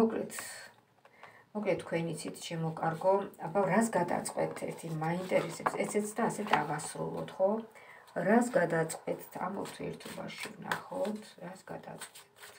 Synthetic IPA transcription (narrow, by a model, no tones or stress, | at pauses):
mɔkʼlɛt̪ʰ | mɔkʼlɛt̪ʰːkʰwɛnit̪sʰit̪ʰʃɛmɔkʼaɾɡɔabaɾasɡad̪a̰t̪sʼqʼwɛ̰t̪ʰɛɾt̪ʰimaint̪ʼɛɾɛsɛpsɛtsɛt̪sʰd̪aːsɛt̪ʰaʁasɾṵlˠɔ̰t̪ʰχɔ | ɾasɡad̪at̪sʼqʼwɛt̪ʰamṵt̪ʰiɛɾt̪ʰɔba̰ʃivna̰χɔt̪ʰɾasɡad̪a̰t̪sʼqʼwɛt̪ʰ